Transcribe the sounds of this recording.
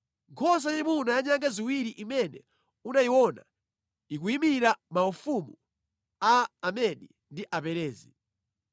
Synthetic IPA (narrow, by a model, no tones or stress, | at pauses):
ŋkʰɔs̬ajimunajaɲaŋɡaziwiɾiʔimɛnɛ̰ | unaiwɔna̰ | nik̬uimiɾamaufumu | aːmɛɗi | ndiʔapɛɾɛːzḭ